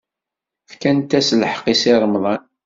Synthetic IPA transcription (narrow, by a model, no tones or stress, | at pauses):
fkænt̪æslħə̥qisɪɾˤəmðˤɑn